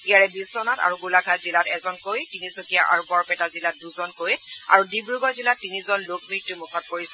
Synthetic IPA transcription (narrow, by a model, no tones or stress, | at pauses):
ijaɹɛbiszɔnata̰ɹuɡulaɡʱazilatɛzɔnkojtinisokijaʔa̰ɹbɔɹpɛtazilat̚duzɔnkoja̰ɹudibɹuɡɔzilatːinizɔnlok̚mitːumukʰɔt̚koɹisɛ̥